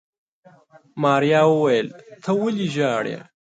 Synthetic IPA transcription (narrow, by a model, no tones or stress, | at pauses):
mɑːɾjɑːwəwajəlt̪ʰɐwʊliʒɑːɽjḛ